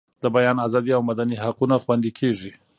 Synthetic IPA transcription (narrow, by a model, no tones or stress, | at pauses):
d̪̥əbajɑnazɑd̪iawmad̪aniɦaqunaxwand̪ikʰeʐi